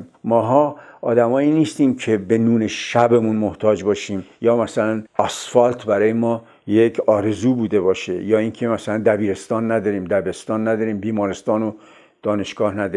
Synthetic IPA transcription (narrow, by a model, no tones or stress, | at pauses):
mmɒːɦɒːɒːd̪æmɒːiniːst̪iːmcʰe̞benuːneʃæbemunmoht̪ʰɒːd͡ʒbɒːʃiːmjɒːmæsælænɒsfɒlt̪ʰbæɾɒːjemɒː | jekʰɒːɾe̞zuːbuːd̪e̞bɒːʃḛjɒːiːŋkʰemæsælænd̪æbiːɾe̞st̪ɒːnːæd̪ɒːɾiːmd̪æbe̞st̪ɒːnːæd̪ɒːɾiːmbiːmɒːɾest̪ɒːno | d̪̥ɒːne̞ʃɡ̥ɒːhnæd̪ɔɾi